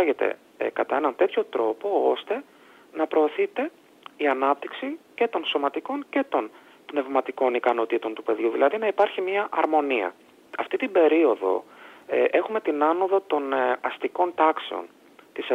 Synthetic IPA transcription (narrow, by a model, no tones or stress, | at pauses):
ɐʝe̞t̪e̞̰ | kɐt̪ɐe̞nɐnt̪e̞t̪ço̞t̪ɾo̞po̞o̞st̪e̞ | nɐpɾo̞ːθit̪e̞ | iɐnɐp̚t̪iksice̞t̪o̞nso̞mɐt̪iko̞nce̞t̪o̞n | pne̞vmɐt̪iko̞nikɐno̞t̪it̪o̞nt̪upe̞ðʝuðilɐðinɐipɐɾçimɲɐʔɐɾmo̞niɐ̰ | ɐft̪it̪ibe̞ɾio̞ðo̞̰ʔe̞xume̞t̪inɐno̞ðot̪o̞nɐst̪iko̞nt̪ɐkse̞o̞̰n | t̪ise